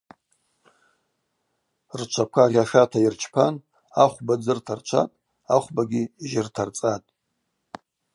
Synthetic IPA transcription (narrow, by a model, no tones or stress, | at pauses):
rt͡ʃʷʰakʷʰarʲaʂatʰairt͡ʃʰpʰan | aχʷbad͡zɨrtʰart͡ʃʷʰa̰tʼ | aχʷbaɡʲiʒɪrtʰart͡sʼatʼ